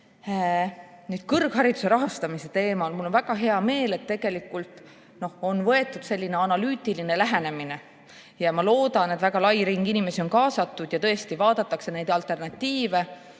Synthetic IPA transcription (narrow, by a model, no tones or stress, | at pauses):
nyːd̪̥kɤrɡ̥ɦɑɾid̪use̞ɾɑɦɑst̪ɑmise̞t̪e̞ːmɑlmulːo̞nvæɡ̥ɑɦe̞ɑme̞ːle̞t̪ːe̞ɡ̥e̞likːˑult̪ˑ | no̞ho̞nvɤ̞e̞t̪ːˑud̪̥se̞lʲːine̞ɑnɑlyːt̪ilinelæɦe̞ne̞mine̞ | jɑmɑlo̞ːd̪ɑned̪væɡ̥ɑlɑjɾiŋɡ̥inime̞sio̞nkɑːsɑt̪ːˑud̪̥jɑt̪ɤest̪ivɑːd̪ɑt̪ːˑɑkse̞ne̞jd̪ɑlt̪ˑe̞rnɑt̪ːiːve̞